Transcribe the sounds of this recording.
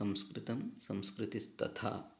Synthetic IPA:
ɐ̃mskɾɪt̪ɐmsɐ̃mskɾɪt̪ist̪ɐ̰t̪ʰa̰ː

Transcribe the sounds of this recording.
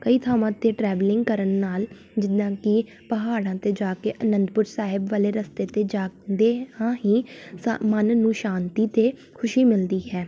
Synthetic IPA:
kəiːt̪ʰaːmãːt̪eːʈɾɛːʋlɪ̃ŋɡkəɾənːaːl | d͡ʒɪd̪ãːkɪ | pəɦaːɽãːt̪eːd͡ʒaːkeːʔənənd̪pʊɾsaːɦɪbʋaːleːɾəst̪eːt̪eːd͡ʒaːnd̪eːhãːɦiːsmənnũːʃaːnt̪iːt̪eː | kʰʊʃiːmɪld̪iːɦɛː

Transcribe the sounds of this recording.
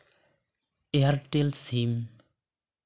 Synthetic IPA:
eaɾʈelsim

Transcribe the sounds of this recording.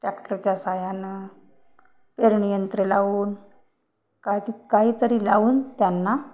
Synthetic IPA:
ʈɾɛkʈəɾt͡ɕjasajanə | peɾɳijənt̪ɾelaʋuːn | kajt̪ikaɦiːt̪əɾiːlauːnt̪janːa

